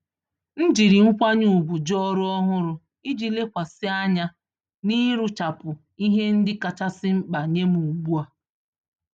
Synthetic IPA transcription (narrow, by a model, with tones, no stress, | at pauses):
n̩˦d͡ʒi˨ɾi˨ŋ̩˦kʷa˦ɲu˨bu˨d͡ʒɔ˦ɾʊ˦ɔ˦ɦʊ˦ɾʊ˨ | i˦d͡ʒi˨le˦kʷa˨sɪ˦a˦ɲa˦ | ni˦ɾu˦t͡ʃa˨pʊ˨ | i˦ɦe˦n̩˦dɪ˦ka˨t͡ʃa˦sɪ˦ŋ͡m̩˦k͡pa˨ɲe˦mu˨u˨ɡ͡bu˦a˨